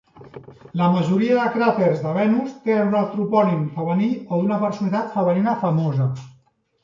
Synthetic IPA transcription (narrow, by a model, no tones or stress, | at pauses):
ləməʒuɾiəðəkɾat̪eɾzðəβɛnust̪eunat̪ɾupɔlimfəβənioðunəpəɾsunit̪at̪fəβəninəfəmozə